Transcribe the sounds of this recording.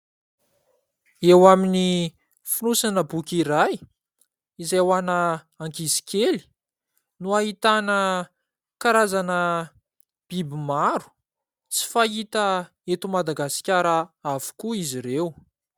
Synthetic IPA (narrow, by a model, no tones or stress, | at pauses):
ewamini | finusanəbukʲiɾaj | izewanə | aŋkizi̥kʲeli̥ | nuaɦit̪anə | kaɾazanə | b̥ibimaɾu̥ | t͡si̥fait̪ə | et̪umad̪aɡasi̥kʲaɾəavu̥kuiziɾew